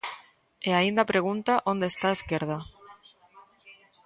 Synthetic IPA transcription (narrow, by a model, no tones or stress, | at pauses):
eaind̪apɾeɣ̞unt̪aʔond̪eːst̪aeskeɾð̞a